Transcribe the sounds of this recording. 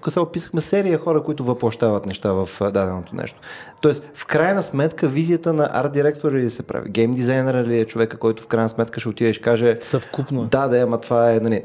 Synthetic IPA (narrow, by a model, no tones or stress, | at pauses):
kəsɛpisə̥xmɛsɛɾijəxɔɾəkoit̪ʊvəplˠɐʃt̪avət̪nɛʃt̪avɐfd̪ad̪ɛnot̪onɛ̰ʃt̪o̥t̪ɔɛst̪fkɾajnəsmɛt̪kəvizijət̪ənɐʔa̰ɾ̚d̪iɾɛk̚t̪oɾilisɛpɾa̰vḭɡɛjmd̪izajnɛɾəiliɛt͡ʃovɛkəkɔjt̪ʊ̥fkɾajnəsmɛt̪̚kəʃɛot̪id̪əʃkaʒɛsəfkupnod̪ad̪ɛɐmɐt̪vaɛnɐli